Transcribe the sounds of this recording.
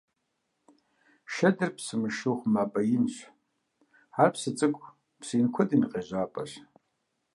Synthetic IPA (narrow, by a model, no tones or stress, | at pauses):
ʃɐdɨrpʰsɨmɨʃuχʷmapʼɐjɪmɕʷ | arpʰsɨt͡sʼɨkʷʼ | pʰsinkʷʰʊdʼinqʼeʒʷaːpʼaɕ